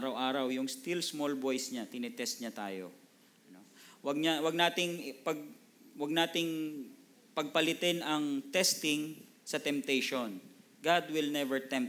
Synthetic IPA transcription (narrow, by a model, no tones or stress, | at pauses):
ɾɐwʔaːɾɐwjʊŋst̪ilsmolbojsɲɐt̪ɪnɛt̪ɛst̪̚ɲɐt̪a̰ːjo̰ | nowɐɡ̚ɲɐwɐɡ̚naːt̪ɪŋpɐɡ̚ | wɐɡ̚naːt̪ɪŋ | pɐɡ̚pɐlɪt̪ɛnɐŋt̪ɛst̪ɪŋ | sɐt̪ɛmp̚t̪ejʃon | ɡad̪wɪlnɛvɛɹt̪ɛm